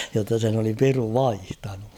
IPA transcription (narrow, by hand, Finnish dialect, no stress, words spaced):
jotːɑ sen oli piru ʋɑihtɑnu